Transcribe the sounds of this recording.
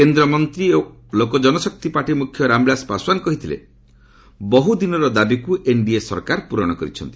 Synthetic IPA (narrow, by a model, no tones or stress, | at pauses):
kend̪ɾɔmɔnt̪ɾio | lokɔd͡ʒɔnɔsɔk̚t̪ipaʈimukʰjɔɾamblaspaswankɔɦit̪ʰilḛ | bɔɦud̪inɔɾɔd̪abikuʔeɳɖiesɔ̰ɾkaɾpuɾɔɽ̃ɔkɔɾḭt͡ʃʰɔ̰nt̪i